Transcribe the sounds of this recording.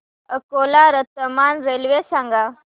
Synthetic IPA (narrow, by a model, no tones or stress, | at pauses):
əkolaɾət̪ːəmanɾelʋesãŋɡa